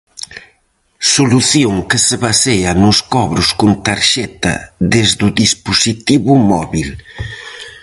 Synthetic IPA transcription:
soluθjoŋkeseβaseɐnʊskɔβɾʊskunt̪aɾʃɛt̪ɐ̰ðezd̪ʊðispusit̪iβʊmɔβil

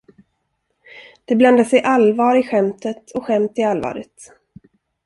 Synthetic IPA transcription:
d̪̥ɛbland̪asɛjʔalvɑːɾɪɧɛmt̪ət̪ʰɔɧɛmt̪ɪalvɑ̰ːɾɪ̰t̪

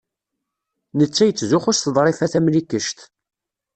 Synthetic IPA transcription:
nət͡sːæjət͡sːzʊχʊsθəðˤɾˤɪfæθæmlikːəʃt̪

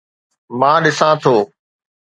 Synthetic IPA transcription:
mãːɗɪsãːt̪ʰoː

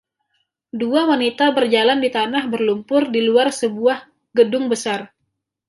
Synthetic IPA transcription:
duawanit̪abərd͡ʒalandit̪anahbərlumpʊrdiluarsəbuah | ɡədʊŋbəsar

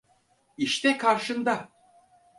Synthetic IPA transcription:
iʃt̪ɛkʰaɾʃɯnd̪a

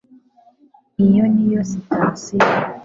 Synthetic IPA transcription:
ijɔnijɔsitasi

